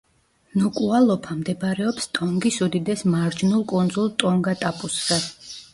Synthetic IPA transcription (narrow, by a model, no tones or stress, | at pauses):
nukʼualˠɔpʰamd̪ɛbɾɛɔpst̪ʼɔŋɡisud̪id̪ɛsmaɾd͡ʒnulˠkʼund̪zulˠt̪ʼɔŋɡat̪ʼapʼusːad̪̥